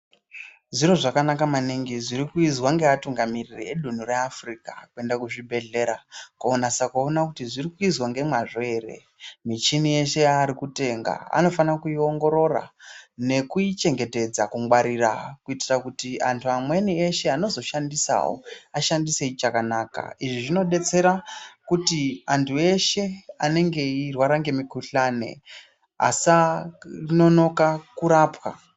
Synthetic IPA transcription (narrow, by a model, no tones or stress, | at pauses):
ʐiɾo̞ʐakanakamaniŋɡiʐiɾikuizwaŋɡe̞atuŋɡamiririeɗun̤ure̞afrika̰kue̞ndakuʐibʱe̞ɮe̞ɾakuonasakuonakutiʐirikuizwaŋɡe̞mwaʐe̞ːre̞̰ | mit͡ʃinije̞ʃe̞jaːɾikute̞ːŋɡa̰a̰no̞fanakujio̞ŋɡo̞ɾo̞ra̰ne̞kuit͡ʃe̞ŋɡe̞te̞d͡zakuŋɡwaɾirakuitirakutia̰ntʰuamwe̞nieʃe̞ano̞zo̞ʃandisa̰wo̰aʃandise̞it͡ʃakanaːka̰iʐiʐino̞ɗe̞t͡se̞ɾakutiantʰue̞ʃe̞ane̞ŋɡe̞irwaɾaŋɡe̞mikuɬane̞̰ | a̰sarino̞no̞kakuɾaːpwa̰